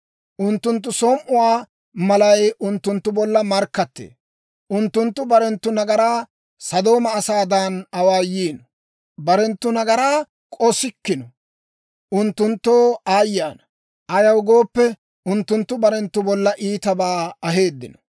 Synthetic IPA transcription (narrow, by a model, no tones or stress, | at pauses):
ʔʊnt̪ːʊnt̪̬ːʊsɔmʔʊwaː | mɐlɐjʊnt̪ːʊnt̪ːʊbɔlːɐmɐɾkːɐt̪ːḛː | ʔʊnt̪ːʊnt̪ːʊbɐɾɛnt̪ːʊnɐɡɐɾaː | sɐd̪o̞ːmɐːsaːd̪ɐnɐwaːjiːnɔ | bɐɾɛnt̪ːʊnɐɡɐɾaː | kʼɔsɪkːɪnɔ | ʔʊnt̪ːʊnt̪ːoːaːjːaːnɐ̥ | ʔɐjɐwɡo̞ːpːɛ | ʊnt̪ːʊnt̪ːʊbɐɾɛnt̪ːʊbɔlːɐʔiːt̪ɐbaːɐɦe̞ːd̪ːɪnɔ̥